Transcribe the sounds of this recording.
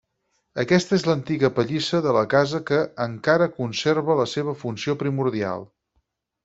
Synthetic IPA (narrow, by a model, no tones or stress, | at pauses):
əkɛst̪əezlənt̪iɣəpəʎisəðələkazəkəːŋkaɾəkunserβələseβ̞əfunsiopɾimuɾðia̰lˠ